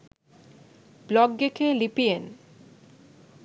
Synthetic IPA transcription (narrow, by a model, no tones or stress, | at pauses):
blɔɡɡekʰelipien